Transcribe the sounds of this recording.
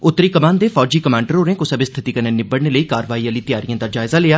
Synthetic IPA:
ʊt̪ːɾiːkəmaːnd̪eːfʰɔːd͡ʒiːkəmãːɳɖəɾɦoːɾẽːkʊsəbɪst̪ʰɪt̪iːkənẽːnɪbəɽneːləiːkaːɾəʋaːiːəliːt̪ɪjaːɾijãːd̪aːd͡ʒaːɪzaːleːaː

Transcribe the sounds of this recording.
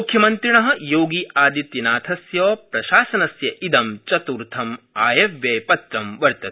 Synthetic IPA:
ukʰjɐmɐnt̪ɾiɳɐɦɐ̆joːɡiʔaːd̪it̪jɐnaːt̪ʰɐsjɔːpɾɐʃaːsɐnɐsjɐʔid̪ɐmt͡ʃɐt̪uːɾt̪ʰɐmaːjɐʋjɐːpɐt̪ɾɐmʋɐɾt̪ɐt̪̚

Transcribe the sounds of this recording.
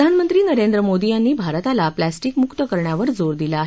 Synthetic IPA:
anmənt̪ɾiːnəɾend̪ɾəmod̪ijanːiːbʱaɾt̪alaplæsʈiːkmukt̪əkəɾɳjaʋəɾd͡zoɾd̪ilaːɦ

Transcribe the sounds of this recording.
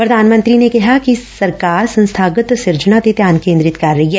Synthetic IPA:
pɾɐd̪ʱaːnmə̃ɐ̃nt̪ɾinekɐɦakisɐɾkaːɾsɐ̃nst̪ʰaːɡət̪sɪɾd͡ʒənat̪et̪jaːnkẽːnd̪ɾɪt̪kɐɾːɐɦiɦɛː

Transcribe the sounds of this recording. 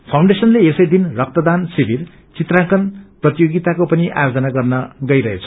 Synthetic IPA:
pʰawɳɖesʌnleesʌjd̪inrʌk̚t̪ʌd̪ansibʱir | t͡sit̪rãŋkʌnprʌt̪ijoɡit̪akopʌniʔa̰jod͡zʌnaɡʌrnʌɡʌjɾʌɦet͡sʰʌ̥

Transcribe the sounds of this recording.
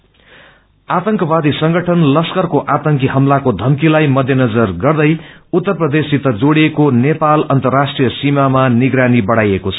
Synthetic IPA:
at̪ʌŋkʌbad̪isʌŋɡʌʈʰʌnlʌskʌrkoʔat̪ʌŋkiɦʌmlakod̪ʱʌmkilajmʌd̪ʱjenʌd͡zʌrɡʌrd̪ʌjut̪ːʌrprʌd̪esit̪ʌd͡zoɽiekonepalʌnt̪ʌrːasʈrijʌsimamaniɡɾanibʌɽajekot͡sʰʌ̥

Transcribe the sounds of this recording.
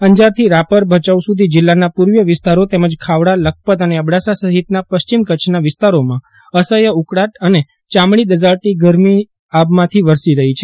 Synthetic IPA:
əɲd͡ʒaɾt̪ʰiɾapəɾbʱət͡ʃausud̪ʱid͡ʒɪlːanapuɾʋjəʋɪst̪aɾot̪ɛməd͡ʒkʰaʋɽalək̚pət̪əneəbɽasasəɦit̪napəʃt͡ʃimkət͡ʃʰnaʋɪst̪aɾomã | əsəjəukɽaʈəne | t͡ʃamɳ̃id̪əd͡ʒaɭʈ̪iɡəɾmi | abmãt̪ʰiʋəɾsiɾəɦit͡ʃʰe

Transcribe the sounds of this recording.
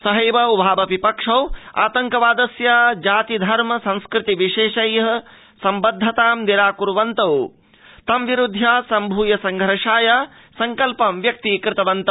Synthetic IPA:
sɐɦɐjʋɐwbʱaːbɐʋipɐkʂɐwa̰ːt̪ɐŋkɐʋaːd̪ɐsjad͡ʒaːt̪id̪ʱɐɾmɐsɐ̃nskɾɪt̪iʋiʂeːʃɐjɐɦɐ̆ | sɐmbɐd̪ʱːɐt̪aːmniɾaːkuɾʋɐnt̪ɐw | t̪ɐmʋiɾud̪ʱjaːsɐmbʱuːjɐsɐŋɡʱɐɾɐʂaːja | sɐŋkɐlpɐmʋjɐk̚t̪ikɾɪt̪ɐʋɐnt̪ɐ

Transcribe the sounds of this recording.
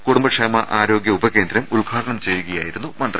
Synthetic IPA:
kuɽumbɐkʂeːmɐʔaːɾo̞ːɡjɐubɐke̞ːnd̪ɾɐmuɭɡʰʱaːʈɐɳɐmt͡ɕe̞jːuɣɐjaːjiɾunːumɐnd̪rɐ

